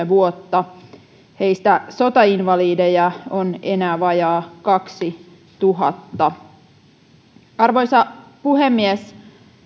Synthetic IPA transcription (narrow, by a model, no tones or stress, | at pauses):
eʋuot̪ːɑ | he̞ist̪æsot̪ɑinʋɑliːdejɑonenæːʋɑjɑːkɑksi | t̪uɦɑ̰t̪ːɑ | ɑrʋojsɑpuhemːies